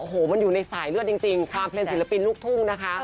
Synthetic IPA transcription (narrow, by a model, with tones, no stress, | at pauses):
ʔoː˧˩ɦoː˨˩˦ma˧njuː˨˩na˧jsaː˩˦jlɯ˥˩ət̚t͡ɕi˧ŋt͡ɕi˧ŋk̪ʰwaː˧mpʰleː˧nsi˩˦˥la˧pi˧nluː˦˥˩k̚t̪ʰu˥˩ŋna˦˥kʰa˦˥ʔ